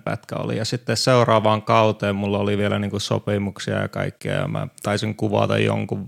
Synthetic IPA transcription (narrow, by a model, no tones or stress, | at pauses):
pæt̪kæo̰lḭjɑsit̪ːesseurɑːʋɑːŋkɑut̪eːmmulːɑoliʋielæniːŋkusopimuksiɑ̰jɑkɑikːiɑ̰jɑ̰mɑ̰t̪ɑisiŋkuʋɑ̰t̪ɑjjo̰ŋkuʋ